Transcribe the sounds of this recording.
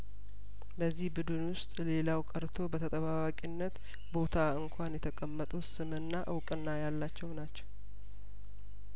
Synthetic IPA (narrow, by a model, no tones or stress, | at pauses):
bəzːihbɨd̪ɨnwʊst̪ʼle̞lawkʼəɾt̪ʰo̞bət̪ʰət̪ʼəβawakʼinːət̪ | bo̞t̪ʰaɨŋkʰʷanjɛt̪ʰəkʼəmːət̪ʼusɨmɨnːaʔɨwkʼɨnːajalːat͡ʃːɛwnat͡ʃːɛw